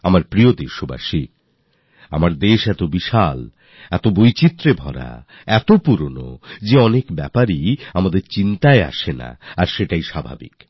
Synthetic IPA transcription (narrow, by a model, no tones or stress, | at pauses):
amaɾpɾiod̪eɾʃoba̰ʃi | a̰maɾd̪eʃɛt̪obiʃal | ɛt̪obojt͡ɕit̪ːɾebʱɔɾa̰ | ɛt̪opuɾono̰d͡ʑeɔnekbɛpaɾiamad̪eɾt͡ɕint̪aea̰ʃena̰aɾʃeʈajʃabʱa̰bḭk